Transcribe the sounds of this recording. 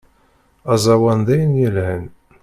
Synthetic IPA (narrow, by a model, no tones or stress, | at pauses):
æzˤɑwænd̪æjənjəlhən